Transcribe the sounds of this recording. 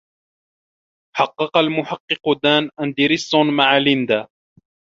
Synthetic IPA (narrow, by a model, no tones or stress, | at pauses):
ħɑqːɑqɑlmʊħɑqːɨqʊd̪aːnʔand̪ɪɾɪsˤːʊnmaʕalɪnd̪aː